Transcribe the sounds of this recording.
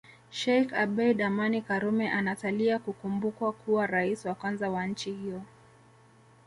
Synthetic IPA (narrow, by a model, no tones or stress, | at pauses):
ʃɛjkabɛjɗamanikaɾumɛʔanataliakukumbukwakʰuwaɾaisiwakwanzawan̩t͡ʃihiɔ